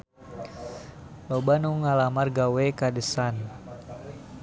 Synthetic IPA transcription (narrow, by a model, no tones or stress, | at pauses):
lɔbanuŋalamarɡawɛkadəsan